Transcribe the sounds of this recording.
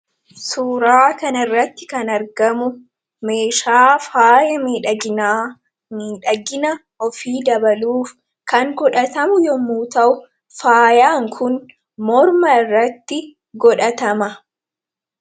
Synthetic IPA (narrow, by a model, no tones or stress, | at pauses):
suːɾaːkɐnɐɪrːɐt̪ːɪ̥kɐnɐɾɡɐmʊ | meːʃaːfaːjɐmiːᶑɐɪnː | miːᶑɐɡɪnɐ | ɔfiːd̪ɐbɐluːf | kɐŋɡɔᶑɐt̪ɐmʊjɔmuːt̪ɐʔʊ | faːjaːŋkʰʊn | mɔɾmɐɪrːɐt̪ːɪ | ɡɔᶑɐt̪ɐmɐ